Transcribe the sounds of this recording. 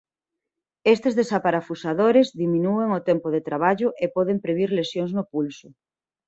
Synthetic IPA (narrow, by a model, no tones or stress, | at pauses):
est̪ezðesapaɾafusaðoɾezðimĩnueŋot̪ɛmpoðet̪ɾaβ̞aʎʊʔepɔðempɾeβ̞iɾlesjoŋznopulsʊ